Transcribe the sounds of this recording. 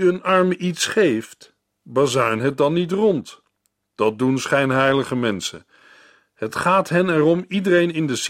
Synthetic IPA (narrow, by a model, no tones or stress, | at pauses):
ənɑɹməʔitsχejft | baːzaɥnɦət̚dɑnːit̬rɔnt | d̥ɑt̚dunsχɛjnɦɛjləχəmɛnsə̰ | hətχaːtɦɛnɛrɔmidərejnɪndəs